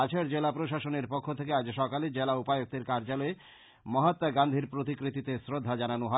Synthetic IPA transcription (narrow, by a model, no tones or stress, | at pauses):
at͡ɕʰaɾd͡ʑelapɾoʃaʃoneɾpokʰːot̪ʰekead͡ʑʃɔkaled͡ʑelaupajok̚t̪eɾkaɾd͡ʑalɔe | mɔɦat̪ːaɡand̪ʱiɾpɾot̪̬ikɾit̪it̪esɾod̪ʱːad͡ʑananoɦɔ